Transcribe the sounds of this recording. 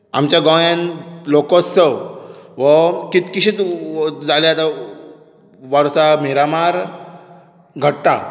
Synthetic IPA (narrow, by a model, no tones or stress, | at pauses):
a̰mt͡ɕaɡɔ̃jãnlokɔsəʋəkit̪kiɕit͡s̪d͡zaljat̪a | ʋəɾsameɾamaɾ | ɡʱəʈt̪a̰